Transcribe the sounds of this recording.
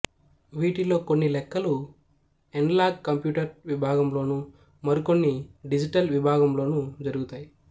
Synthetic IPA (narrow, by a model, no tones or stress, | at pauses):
ʋiːʈilo̞ːkonːilɛkːɐlu | eɳɖlaːɡkːɐmpjuːʈɐɾʋibʱaːɡɐmlo̞ːnu | mɐɾiko̞nːiɖid͡ʒiʈɐlʋibʱaːɡɐmlo̞ːnud͡ʒɐɾuɡut̪aːji